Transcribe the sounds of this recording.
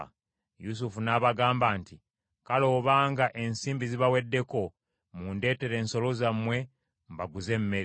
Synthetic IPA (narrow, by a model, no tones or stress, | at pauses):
jus̬ufunaβaɡaːmbaːnti | kalo̞βaːŋɡaʔe̞nsiːmbiziβawe̞dːe̞ko̞ | munde̞ːte̞ɾe̞ːnso̞lo̞zamwe̞ | mbaɡuze̞mme̞ɾ